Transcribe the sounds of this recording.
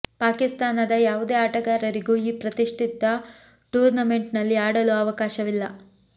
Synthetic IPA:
paːkist̪aːnɐd̪ɐjaːʋud̪e̞ːaːʈɐɡaːɾɐɾiɡuːiːpɾɐt̪iʂʈʰit̪ɐ | ʈuːɾnɐme̞ɳʈnɐlːiaːɽɐluɐʋɐkaːʃɐʋilːɐ

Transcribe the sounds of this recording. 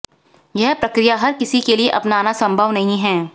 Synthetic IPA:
jɛɦpɾɐkɾijaɦɐɾkɪsikelieʔɐpnaːnasɐ̃mbʱəʋnɐɦĩɦɛː

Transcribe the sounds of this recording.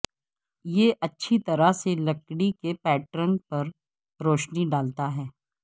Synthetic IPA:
jeʔɐtːʃʰit̪ɐɾaselɐkɽikepɛːʈɾənpɐɾ | ɾoːʃniɖaːlt̪aɦɛː

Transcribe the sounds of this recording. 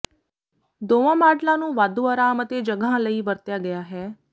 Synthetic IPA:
d̪oʋãmaɖlanũːʋad̪ũəɾaːmət̪ed͡ʒəɡʱãləiʋəɾt̪jaɡəjaɦe

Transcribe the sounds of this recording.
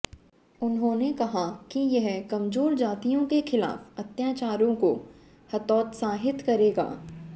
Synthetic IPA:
ʊnɦõnekɐɦakijɐɦkɐmzoːɾd͡ʒaːt̪ijõkexʰɪla̰ːfɐt̪jaːt͡ʃaːɾõko | hɐt̪ɔːt̪saːɦɪt̪kɐɾeːɡa̰ː

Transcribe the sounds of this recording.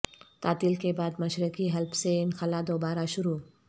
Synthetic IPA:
t̪aːt̪iːlkebaːd̪mɐʃɾɪkiɦɐlbseɪnxɐlad̪oːbaːɾaʃʊɾu

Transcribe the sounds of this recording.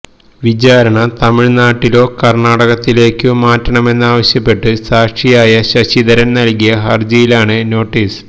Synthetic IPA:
ʋid͡ʑaːɾɐɳɐt̪ɐmiɻnaːʈːilo̞ːkɐrɳaːɽɐɣɐt̪ːile̞ːkːɨmaːtːɐɳɐme̞nːaːʋɐɕjɐpːe̞ʈːɨsaːʂʂijaːjɐɕɐɕiðɐɾɐnnɐlkijɐɦɐrd͡ʑɐjilaːɳɨno̞ːʈːiːs

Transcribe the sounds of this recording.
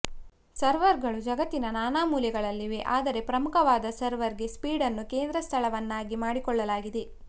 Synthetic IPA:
sɐɾʋɐɾɡɐɭud͡ʒɐɡɐt̪ːinɐnaːnaːmuːljɛɡɐɭɐlːiʋeʔaːd̪ɐɾe̞pɾɐmukʰɐʋaːd̪ɐsɐɾʋɐɾɡe̞spiːɽɐnːukeːnd̪ɾɐst̪ʰɐɭɐʋɐnːaːɡimaːɽikɔɭːɐlaːɡid̪e̞

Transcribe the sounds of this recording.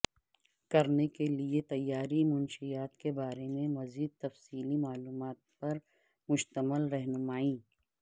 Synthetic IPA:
kɐɾnekeliet̪ɐjːaːɾimʊnʃijaːt̪kebaːɾemẽmɐziːd̪̚t̪ɐfsiːlimaːluːmaːt̪̚pɐɾ | mʊʃt̪əməlɾɛɦnʊmaːĩː

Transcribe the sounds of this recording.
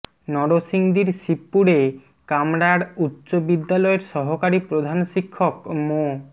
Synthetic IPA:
nɔɽosiŋd̪iɾʃipːuɽe | kamɽaɾutːɕobid̪ːalɔeɾʃɔɦokaɾipɾod̪ʱanʃikʰːokmo

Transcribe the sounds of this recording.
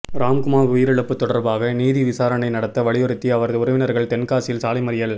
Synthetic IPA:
ɾaːmkʊmaːɾʊjɪɾɯɭɐpːɯt̪ːɔɽɐɾbaːɣɐniːðiʋɪsaːɾɐnɐɪnɐɽɐt̪ːɐʋɐɭɪjɔɾɯt̪ːiɐʋɐɾɐðɯʊɾɐʋɪnɐɾɣɐɭt̪ɛnkaːsɪlsaːlɐɪmɐɾɪjɐl

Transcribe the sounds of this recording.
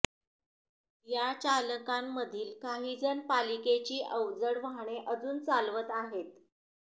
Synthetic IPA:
jat͡ɕaləkamːəd̪ʱiːlkaɦiːd͡zənpaliket͡ɕiːʔəwd͡zəɽʋaɳ̃eʔəd͡zuːnt͡salʋət̪aɦet̪

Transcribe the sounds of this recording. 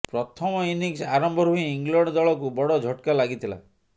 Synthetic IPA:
pɾɔt̪ʰɔmɔiniksaɾɔmbʱɔɾuiːŋɡlɔɳɖɔd̪ɔɭɔk̬ubɔɽɔd͡ʒʱɔʈkalaɡit̪ʰila̰

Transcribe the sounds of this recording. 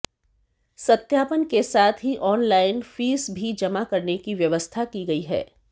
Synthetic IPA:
sɐt̪jaːpənkesaːt̪ʰɦiʔɔːnlaːɪnfiːsbʱid͡ʒɐmakɐɾnekiʋjɐʋəst̪ʰakiɡɐiɦɛ̰ː

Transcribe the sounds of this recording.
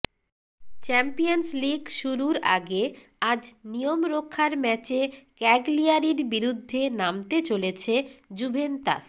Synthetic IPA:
t͡ɕɛmpijonsliɡʃuɾuɾa̰ɡe | ad͡ʑnijomɾokʰːaɾmɛt͡ɕekɛɡliaɾiɾbiɾud̪ʱːenamt̪et͡ɕolet͡ɕʰed͡ʑubʱent̪a̰s

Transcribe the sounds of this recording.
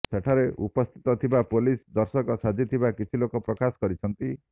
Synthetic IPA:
seʈʰaɾeʔupɔst̪ʰi̥t̪ɔt̪ʰibapolisd̪ɔɾsɔkɔsad͡ʒit̪ʰibakit͡ʃʰilokɔpɾɔkasɔ̥kɔɾit͡ʃʰɔnt̪i

